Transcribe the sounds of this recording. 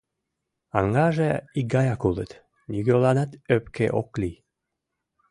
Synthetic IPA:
ɑŋɡɑʒeiɡɑjɑkulə̰t̪ | nʲyɡølɑnɑt̪øpkḛʔo̰kli

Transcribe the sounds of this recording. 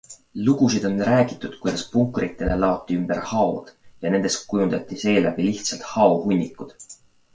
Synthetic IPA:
luɡ̥usid̪̥o̞nræːɡ̥it̪ːˑud̪̥kujd̪̥ɑspuŋkrit̪ːˑe̞lʔe̞lɑot̪ːˑiymb̥e̞ɾhɑo̰d̪̥jɑne̞nd̪̥e̞st̪̚kujund̪ɑt̪ʲːˑise̞ːlæbiliht̪sɑlt̪hɑohunʲːikːud̪̥

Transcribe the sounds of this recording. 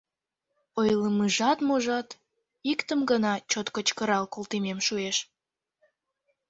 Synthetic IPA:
ojləmɨʒɑt̪moʒɑt̪ | ikt̪əmɡənɑt͡ɕot̪kət͡ɕkəɾɑlkolt̪imemʃueʃ

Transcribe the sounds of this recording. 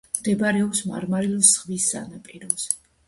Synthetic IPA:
md̪ɛbɾɛɔpsma̰ɾmaɾilɔsʁvisːa̰napʼɛɾɔz̥ɛ

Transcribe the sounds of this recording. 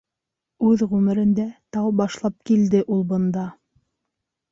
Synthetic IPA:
ʉðʁʉmɘ̆ɾɘ̆nd̪æt̪ɑwbɑʃlˠɑp̚kild̪ɘʔulˠbɤ̆nd̪ɑ

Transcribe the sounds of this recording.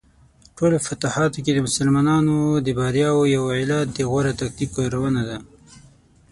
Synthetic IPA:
ʈʰolofat̪ahɑt̪oked̪əmʊsalmɑnɑnod̪əbaɾjɑwojawɪlɑt̪̚d̪əɣwaɾat̪ak̚t̪ikaɾawənad̪a

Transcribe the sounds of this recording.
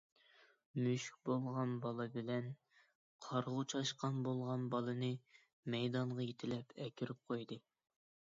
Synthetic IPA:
myʃk̚ʲbolˠʁɑnbɑlˠɨbɪlɛn | qʰɑɾʁʊt͡ʃʰɑʃqɑnbolˠʁɑnbɑlˠɨnɨ | mɛjd̪ɑɴʁɑjet̪ʰɪlɛpʰɛkʲiɾyp̚qʰojd̪ɨ

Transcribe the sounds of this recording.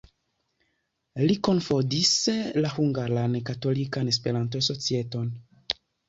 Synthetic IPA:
liko̞nfo̞dislahuŋɡaɾankato̞likane̞s̬pe̞ɾantoso̞t͡sie̞to̞n

